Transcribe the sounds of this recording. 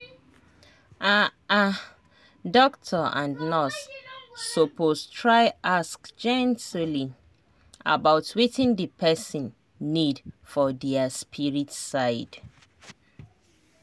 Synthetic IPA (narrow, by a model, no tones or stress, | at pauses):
ʔaa | dɔktʰɔʔã̰nnɔsː | opʰostʰɹaɪʔaskd͡ʒɛ̃ntʰli | a̰baʊtʰwetɪ̃ndəpʰɛsĩnː | idfɔdɛaspʰiɹitsaɪd̥